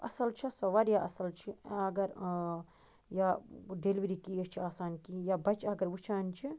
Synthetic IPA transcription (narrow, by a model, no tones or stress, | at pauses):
ɐ̰sɐlt͡ʃʰisɐʋɐɾjaʔɐ̰sɐlt͡ʃʰiɐɡɐɾ | jaɖelʋiɾikiɐt͡ʃʰiaːsaːnkijabɐt͡ʃɐɡɐɾʋut͡ʃʰaːnt͡ʃʰi